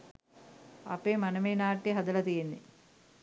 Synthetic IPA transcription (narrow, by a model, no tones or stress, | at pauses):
ɐ̰peːmɐnɐmeːnaːʈːiɦɐd̪ɐlɐt̪ijinːḭ